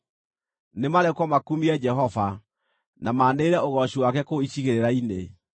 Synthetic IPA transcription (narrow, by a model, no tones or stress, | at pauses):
nemaɾɛkwɔmakumiɛd͡ʒɛɦɔva | namaːneːɾɛoɣɔɕiwakɛkoiɕiɣeɾeɾainḛ